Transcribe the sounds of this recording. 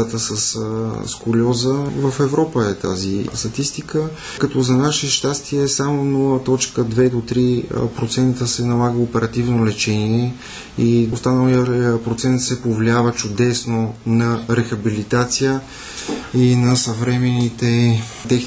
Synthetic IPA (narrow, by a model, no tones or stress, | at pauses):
t̪əsəsskʊlʲɔzəvəfɛvɾɔpəɛt̪a̰zist̪ɐt̪ist̪ikə | kɐt̪ɔzɐnaʃɛʃt̪ast̪iɛsamonɔlˠət̪ɔt͡ʃkəd̪vɛd̪ot̪ɾipɾot̪sɛnt̪əsɛnɐlˠaɡəopɛɾɐt̪ivnolɛt͡ʃɛniɛ | iʊst̪anəlˠiəpɾot̪sɛnt̪sɛpovliavət͡ʃʊd̪ɛsnonɐɾɛxɐbilit̪at̪sijə | inɐsəvɾɛmɛnit̪ɛ | t̪ɛx